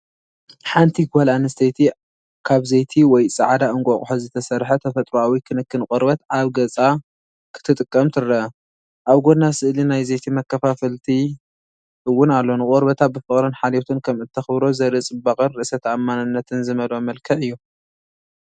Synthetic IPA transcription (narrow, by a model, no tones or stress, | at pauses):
ħant̪ʰiɡalanɨst̪ʰet̪ʰi | kʰaβzejt̪ʰiwɔjsʼaʕad̪aʔɨŋkʷʼokʼħozɨt̪ʰɐsɐɾħɐt̪ʰɐfɐt̪ʼɾuawikʰɨnɨkːɨnkʼoɾbɐt̪aβɡɐt͡sʼa | kʰɨ̥t̪ʰɨt̪ʼɨkʼːɐmt̪ʰɨɾːɐ | ʔaβɡo̞nːasɨʔlinajzejt̪ʰimɐkːɐfafɐlt̪ʰi | ʔɨwːʊnalːo̞nɨkʼoɾbɐt̪ʰat̪̚bɨfɨχʼɾɨnħalet̪ʰɨnkʰɐmɨt̪ʰːɐxβɾo̞zɐɾɨt͡sʼɨbakʼɐnɾɨʔɨsɐt̪ʰamːanɨnːɐt̪ʰɨnzɨmɐlomɐlkʰɐʔɨjːu